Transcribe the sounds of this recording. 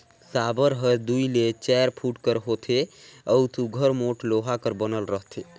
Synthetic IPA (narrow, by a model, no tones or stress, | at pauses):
saːbəɾɦəd̪uilet͡ʃɛːɾpʰuʈkəɾɦoːt̪ʰeəwt̪uɡʱəɾmoʈloːɦakəɾbənəlɾəɦt̪ʰe